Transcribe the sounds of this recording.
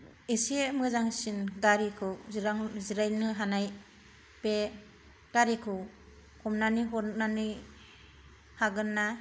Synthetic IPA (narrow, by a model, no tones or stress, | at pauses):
isiemɯzaŋsinɡaɾikʰɯwɾaŋziɾajnɯɦanaj | pe | ɡ̥aɾikʰɯw | kʰɔmnaniɦɔnanɯ | haɡɯnːa